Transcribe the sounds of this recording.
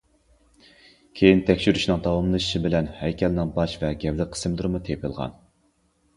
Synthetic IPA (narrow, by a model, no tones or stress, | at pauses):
kʲʰejint̪ʰɛkʲʃyɾyʃnɨŋd̪ɑwɑmlˠɨʃi̥ʃibɪlɛnhɛjkʲʰɛlnɪŋbɑʃvɛɡʲɛvlɪqʰə̥sɨmd̪uɾmut̪ʰepʰɨlˠʁɑ̰n